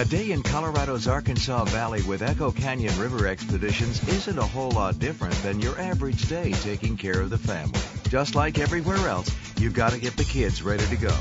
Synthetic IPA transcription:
ɨdeɪɨ̃nkʰɑlˠə˞ɑɾoʊzɑɹkɨ̃nsɔvælˠiwɪðɛkoʊkʰæ̃njɨ̃nɹɪvə˞ɛkspɨdɪʃɨ̃nzɪzɨ̃ntəhoʊlɔt̚d̥ɪfɹɨ̰̃nðɨ̃njə˞ʔævə˞ɨd͡ʒdeɪtʰeɪkɪ̃ŋkʰɛɹʌvðɨfæ̰̃mlḭ̥d͡ʒʌstˡlaɪkɛvɹiwɛɹɛlˠsjʉvɡɑɾɨɡɛt̪̚ðɨkʰɪdzɹaɪɾəɾɨɡoʊ

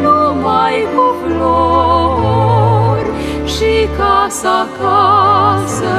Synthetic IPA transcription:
numajboplo | rʲ | ʃikasaka | sə

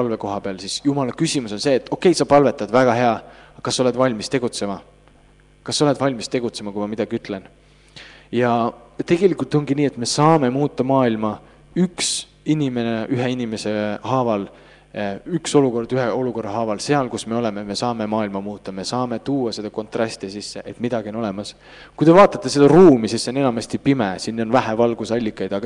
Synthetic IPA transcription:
pɑlve̞ko̞ɦɑpeɑlsisjumɑlɑkysʲimuso̞nse̞ːt̪ːˑo̞kːˑe̞jsɑpɑlve̞t̪ːˑɑd̪̥væɡ̥ɑɦe̞ɑkɑsːɑo̞le̞d̪̥vɑlʲmist̪e̞ɡ̥ut̪se̞mɑ | kɑsːo̞le̞d̪̥vɑlʲmist̪e̞ɡ̥ut̪se̞mɑkuijmɑmid̥̪ɑɡiyt̪ːˑle̞n | jɑt̪e̞ɡ̥e̞likult̪ˑo̞ŋɡiniːet̪me̞sɑːme̞muːt̪ːˑɑmɑːilmɑ | yks | inʲime̞neʔyɦeinime̞se̞hɑːvɑl | ykso̞luko̞rd̪̥yɦeo̞luko̞rːɑɦɑːvɑlse̞ɑlkusme̞o̞le̞meme̞sɑːme̞mɑːilmɑmuːt̪ːˑɑme̞sɑːme̞t̪uːɑse̞d̪ɑko̞nt̪ˑrɑst̪isisːeʔet̪mid̪̥ɑɡ̥iono̞le̞mɑs | kujd̪e̞vɑːt̪ːˑɑt̪ːˑe̞se̞d̪̥ɑruːmisisːone̞nɑmɑsʲt̪ipimesinːo̞nvæɦævɑlɡ̥usɑlʲːikːˑɑjd̪̥ɑɡ̥ɑ

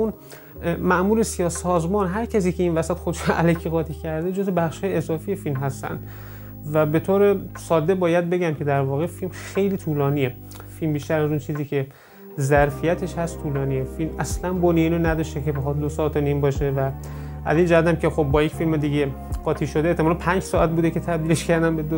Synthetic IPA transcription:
un | mæʔmuːɾesijɒːsɒːzmɒːnɦæɾcʰæs̬iːcʰe̞invæsæt̪xod̪eʃuoʔælækʰiɣɒːt̪ʰiːcʰæɾd̪ed͡ʒo̞zebæχʃhɒːjeezɒːfije̞filmɦæst̪æ̰nd̪̥ | væbe̞t̪ʰoːɾe̞sɒːd̪ebɒːjæd̪̚be̞ɟæmcʰe̞d̪æɾvɒːɣe̞filmxe̞jliːt̪ʰuːlɒːniːe | filmbiːʃt̪æɾæzunt͡ʃʰiːziːkʰe̞ | zæɾfijæt̪ʰe̞ʃhæst̪t̪ʰuːlɒːniːjefilmæslænboniiːnonæd̪ɒʃt̪ekʰebexɒːt̪̚d̪osɒːt̪ʰːeniːmbɒːʃe̞væʔæ̰zind͡ʒæhæt̪æmkʰexob̚ːɒːjecfilmed̪iːɟe | ɢ̥ɒːt̪ʰiːʃo̞d̪eːht̪ʰːemɒlænpʰænd͡ʒsɒːæt̪̚buːd̪ekʰe̞t̪ʰæbd̪iːleʃkʰæɾd̪ænbed̪o

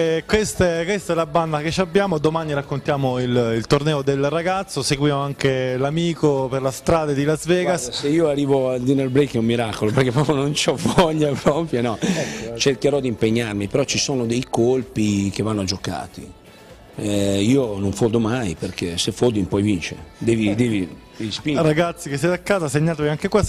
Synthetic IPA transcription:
ɛkwest̪ɛkwest̪ɛlaband̪aket͡ʃiabːjaːmod̪omaːniɾakːont̪jaːmoililt̪ornɛːod̪elraɡat̪sːoseɡwjaːmoaŋkelamiːkoperlast̪ɾaːd̪ed̪ilazvɛːɡasseiːoarːiːvoald̪inelbɾejkɛumːiɾakoloperkepːɾɔponont͡ʃɔvɔʎːapɾɔpɾjonɔt͡ʃerkeɾɔd̪impeɲːarmipeɾɔt͡ʃisoːnod̪ejkolpikevːanːoad͡ʒoka̰ːt̪ḭ | ɛiːonoɱfod̪omajperkʰesefod̪impɔjvint͡ʃḛd̪ɛːvid̪ɛːvi | ispiɾaɡat̪sːikesːɛt̪akːaːzaseɲːaːt̪eviaŋkekwas

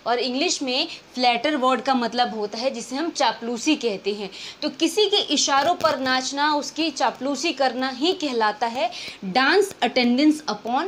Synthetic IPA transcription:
ɔːɾɪ̃ŋɡlɪʃmẽflɛːʈəɾʋɔːɾɖkamɐt̪ləbɦoːt̪aɦɛd͡ʒɪseɦɐ̃mt͡ʃaːpluːsikɛɦt̪eɦɛ̃t̪oːkɪsikeʔɪʃaːɾõpɐɾnaːt͡ʃnaʊskit͡ʃaːpluːsikɐɾnaɦĩkɛɦlaːt̪aɦɛɖãːnsɐʈɛ̃ɳɖə̃nsɐpɔːn

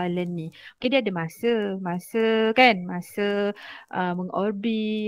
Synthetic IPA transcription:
lənːĩokediadamasəmãsəkanmasəʔəməŋɔrbi

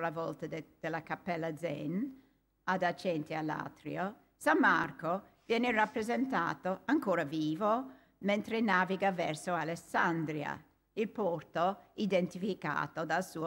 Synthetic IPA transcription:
lavɔlt̪ad̪̥elːakapːɛlːad̪zɛ̰n | ad̪at͡ʃɛnt̪ialːa̰t̪ɾḭo | samːa̰rkovjɛːnerapːɾezent̪a̰ːt̪oaŋkoːɾaviːvo | ment̪ɾenaːviɡavɛrsoalesand̪ɾja̰ | ilpɔrt̪oid̪ent̪ifika̰ːt̪od̪alsuː

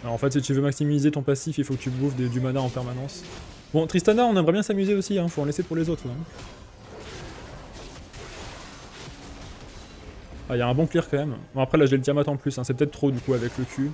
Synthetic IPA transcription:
mɛɑ̃fɛt̪sit̪yvømaksimizet̪ɔ̃pasifilfokət̪ybuvd̪ed̪ymanaɑ̃pɛʁmanɑ̃s | bɔ̃t̪χist̪anaɔ̃nɛmʁɛbjɛ̃samyzeosiɛ̃foɑ̃lesepuʁlezot̪χɛ̃ | ailaɛ̃bɔ̃kliʁkɑ̃mɛmbɛ̃apχɛlaʒelət̪jamat̪ɑ̃plysɛ̃sɛpøt̪ɛt̪t̪ːχod̪ykuavɛkləkʰʲy

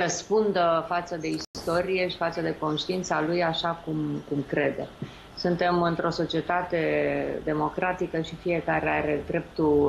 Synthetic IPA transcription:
rəspund̪əfat̪səd̪e̞ist̪o̞ɾijeʃi̥fat̪səd̪e̞ko̞nʃt̪iint̪salujaʃakumkumkɾe̞d̪e̞̰ | sunt̪e̞mɨnt̪ɾo̞so̞t͡ʃie̞t̪at̪e̞d̪e̞mo̞kɾat̪ikəʃifije̞kaɾeaɾe̞d̪ɾe̞p̚t̪u

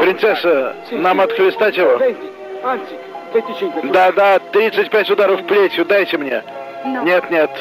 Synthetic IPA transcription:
pɾʲɪnt̪sɛsənamɐt̪xlʲɪst̪atʲɪvo | d̪ad̪at̪ɾʲit̪sɨtʲpʲætʲʊd̪aɾəfplʲetʲɪʊd̪ajtʲɪmnʲe | nʲe̞t̪nʲe̞t̪

